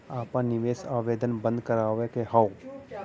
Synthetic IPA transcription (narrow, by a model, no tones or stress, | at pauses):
aːpãnɪʋeːsaːʋeːd̪ənbə̃nd̪kəɾaːʋekeɦao